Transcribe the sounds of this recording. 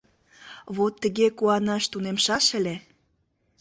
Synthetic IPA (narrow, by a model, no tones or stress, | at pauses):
βot̪ːə̆ɣekuɑnɑʃt̪unemʃɑʃəlʲe